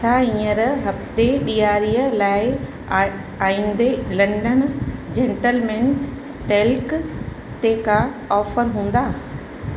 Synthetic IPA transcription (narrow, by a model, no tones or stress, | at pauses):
t͡ʃʰaːĩːəɾɦɐft̪eɗijaːɾijəlaːɪ | aːĩːnd̪elɐ̃ɳɖənd͡ʑẽːɳʈəlmẽːn | ʈeːlk | t̪ekʰa | ɔːfəɾɦũːn̆d̪aː